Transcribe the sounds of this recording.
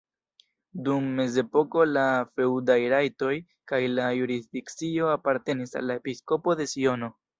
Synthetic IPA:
dumːe̞ze̞po̞ko̞lafe̞wdajɾajto̞j | kajlajuɾizdikt͡sio̞apaɾte̞nisa̰lːae̞pisko̞po̞de̞sio̞no̞

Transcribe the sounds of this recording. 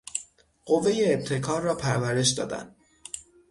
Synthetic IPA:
ɢ̥o̞vːe̞jeːb̚t̪ʰe̞kʰɒːɾːɒːpʰæɾvæɾe̞ʃd̪ɒ̰ːd̪æ̰nd̪̥

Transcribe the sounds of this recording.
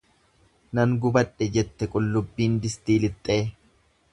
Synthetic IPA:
nɐŋɡʊbɐᶑɛd͡ʒɛt̪ːɛkʼʊlːʊbːiːnd̪ɪst̪iːlɪt̪ʼːe̞ː

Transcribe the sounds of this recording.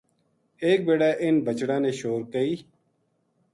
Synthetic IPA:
eːk̚beːɽaːʔɪnbət͡ʃɽãːneːʃoːɾkəiː

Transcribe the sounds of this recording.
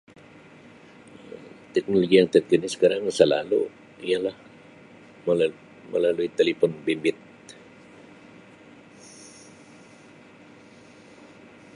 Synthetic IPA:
t̪ɛk̚noloɡijaŋt̪at̪̚kənisə̥kaɾaŋsəla̰lṵ | ijalah | məl | mə̰laluit̪elepɔnbimbɪt̪̚

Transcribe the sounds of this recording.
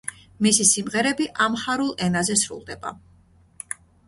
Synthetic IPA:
misisimʁɛɾɛbiʔamχaɾulˠɛnazɛsɾṵlˠd̪ɛba̰

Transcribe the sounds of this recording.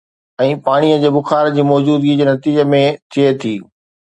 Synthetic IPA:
ɛ̃ːpaːɽ̃ijəd͡ʑeːbʊxaːɾd͡ʑiːmɔːd͡ʑuːd̪ɡid͡ʑeːnɐt̪iːd͡ʑəmẽt̪ʰiet̪ʰiː

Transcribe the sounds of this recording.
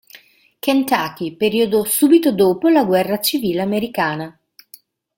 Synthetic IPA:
kent̪aːk̟ipeɾiːod̪osuːbit̪od̪oːpolaɡwɛrːat͡ʃiviːleameɾikaːna

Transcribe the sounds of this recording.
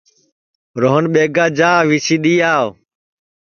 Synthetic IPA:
ɾoːɦənɓeːɡaːd͡ʒãːʋiːt͡ʃʰiːɗiːaːʋ

